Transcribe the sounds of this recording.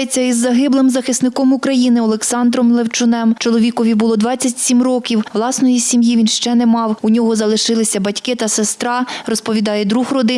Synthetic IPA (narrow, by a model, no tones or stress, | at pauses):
et͡sʲːɐizːɐɦɪblˠɪmzɐxɪsnɪkɔmʊkɾɐjinɪɔlˠeksɑnd̪ɾɔmlˠewt͡ʃʊnɛmt͡ʃɔlˠɔʋʲikɔʋʲibʊlˠɔd̪ʋɑt͡sʲːɐtʲsʲimrɔkʲiwʋlˠɑsnɔjisʲimjiʋʲinʃt͡ʃɛnemɑwʊnʲɔɦɔzɐlˠɪʃɪlˠɪsʲɐbɐtʲkɪt̪ɐsest̪ɾɑrɔspɔʋʲid̪ɑjɛd̪ɾuxrɔd̪ɪ